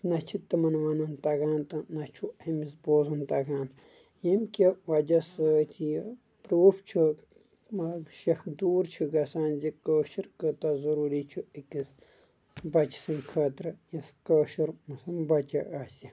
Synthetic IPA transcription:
nɐt͡ʃʰit̪ɐmɐnʋɐnɐnt̪ɐɡãːnt̪ɐnɐt͡ʃʰuɐmisboːzunt̪ɐɡaːn | jɐmkʲiʋɐd͡ʒɐsəːt̪ʲʰij | pɾuːft͡ʃʰu | mɐʃɐxd̪uːɾt͡ʃʰiɡɐsaːnzikəːʃiɾkət̪ɐzɐɾuːɾit͡ʃʰuikis | bɐt͡ʃi̥sɨnkʰɐːt̪ɾɨjɐskəːʃiɾmɐsɐmbɐt͡ʃɐʔaːsʲi

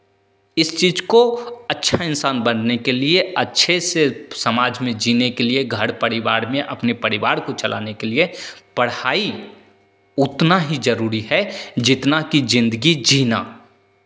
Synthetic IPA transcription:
ɪst͡ʃiːd͡ʒkoɐtːʃʰaɪnsaːnbənːekelieɐtːʃʰesesəmaːd͡ʒmẽd͡ʒiːnekelieɡʱəɽpəɾɪʋaːɾmẽʔɐpnepɐɾɪʋaːɾkot͡ʃɐlʔa̰ːnekeliepɐɽaːi | ʊt̪naɦid͡ʒəɾuːɾiɦɛd͡ʒɪt̪nakid͡ʒɪ̃nd̪əɡid͡ʒiːna̰ː

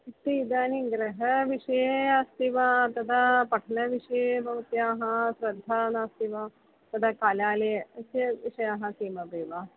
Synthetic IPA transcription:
it̪iid̪aːniɡɾɐɦɐʋiʂɐjeast̪iʋaːt̪ɐt̪ʰapɐʈʰɐnɐʋiʂɐjebʱɐʋɐt̪jaːɦɐsɾɐd̪ʱːaːnaːst̪iʋa | t̪ɐt̪ʰakaːlaːleːɐsjɐʋiʂɐjaːɦɐsiːmɐbeːʋaː

